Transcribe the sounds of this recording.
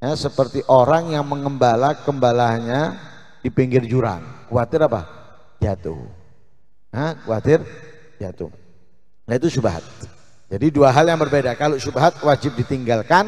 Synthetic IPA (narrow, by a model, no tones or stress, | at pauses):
jasəpərt̪iʔoɾaŋjaŋməŋəmbalakəmbalaɲa | dipiŋɡɪrd͡ʒuɾa̰ŋkuat̪ɪɾapa̰ | d͡ʒat̪ṵh | əkuwat̪ɪr | d͡ʒat̪ṵh | jait̪usubaɦa̰t̪̚ | d͡ʒadiduaɦaljaŋbərbedakalosubaɦat̪̚wad͡ʒɪp̚dit̪iŋɡalkan